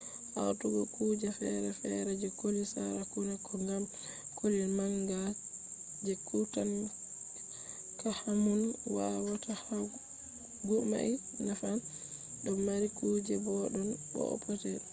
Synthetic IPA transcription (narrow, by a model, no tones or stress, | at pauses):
ʔa̰wtuɡɔkud͡ʒɛfɛɾɛfɛɾɛd͡ʒɛkolisa̰ɾakunakɔŋɡam | kolilmaŋɡa | d͡ʒɛkutan | kahamunwawataha | ɡuma̰ʔi | nafan | ɗɔmːaɾikud͡ʒɛbɔɗɔnɗɔ̰ɔ̰pʰɔtɛ